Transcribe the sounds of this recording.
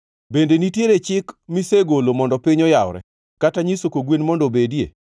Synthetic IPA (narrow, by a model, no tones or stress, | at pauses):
bendenitjeɾet͡ʃɪkmiseɡolomɔndɔpɪɲɔjawɾɛ̰ | kataɲisokoɡwenmɔndobedjḛ